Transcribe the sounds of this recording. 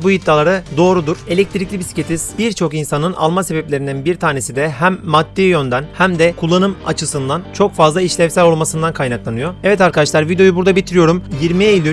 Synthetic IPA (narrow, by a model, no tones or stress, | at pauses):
bujit̪ːalˠaɾad̪o̞ːɾud̪uɾe̞lʲɛc̚t̪ʰiɾicʲlʲibisi̥cʰe̞t̪ʰiz̥biɾt͡ʃʰo̞kinsanɯna̰lˠmase̞bɛplʲeɾind̪ænbiɾt̪ʰaːne̞sid̪ɛɦæmːad̪ːijø̞nd̪ænhæmd̪ɛkʰulˠːanɯma̰t͡ʃʰɯsɯnd̪ant͡ʃʰo̞kfazlˠaiʃlʲɛmsælʲo̞lˠmasɯnd̪ankʰajnaklˠanɯjo̞ɛvɛt̪aɾkʰad̪aʃlˠaɾvid̪ejo̞jubuɾd̪abit̪ʰiɾijo̞ɾumjiɾmielʲy